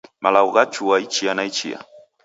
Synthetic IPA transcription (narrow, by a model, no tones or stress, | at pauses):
malɑwɢɑt͡ʃʊwajt͡ʃɪjanajt͡ʃɪja̰